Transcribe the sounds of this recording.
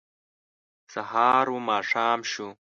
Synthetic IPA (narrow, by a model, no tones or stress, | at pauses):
sɐɦaːɾumaːʂaːmɕu